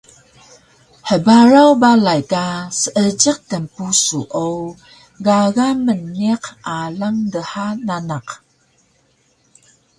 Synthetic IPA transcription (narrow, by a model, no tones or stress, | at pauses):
ħəbaɾawbalajkasəʔət͡ʃəq̚təmpusuʔo | ɡaɣamənːiqalaŋdəħananaq